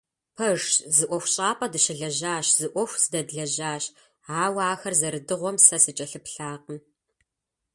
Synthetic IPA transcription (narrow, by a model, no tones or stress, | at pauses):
pʰɐʒzɨʔʷɔxʷɕʼaːpʼɐdɨʃɪɮɐʑaːɕz̥ɨʔʷɔxʷzɨdɐdɮɐʑaːɕ | aːwaːxɐrzɐɾɨdɨʁʷɔmsɐsɨt͡ʃʼɐɬɨpɬaːqən